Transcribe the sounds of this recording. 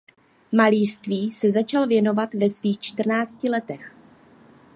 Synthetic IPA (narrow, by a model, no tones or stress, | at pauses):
maliːr̥st̪viːsɛzat͡ʃalvjɛno̞vat̪vɛsviːxt͡ʃt̪r̩naːt͡scɪlɛt̪ɛx